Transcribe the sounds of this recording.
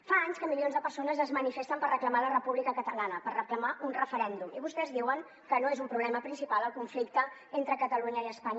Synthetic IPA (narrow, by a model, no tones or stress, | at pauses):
faaɲskəmilionzðəpəɾsonəzəzmənifest̪əmpərəkləmalərəpuβlikəkət̪əlanəpərrəkləmaʔunrəfəɾɛnd̪umiβust̪ɛzðiwəŋ | kənoezumpɾuβlɛməpɾinsipalˠəlˠkuɱflik̚t̪əent̪ɾəkət̪əluɲəiəspaɲ